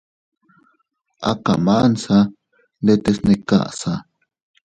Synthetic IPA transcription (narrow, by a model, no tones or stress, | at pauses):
a̰ka̰maʔnsa | ndet̪esneka̰ʔsa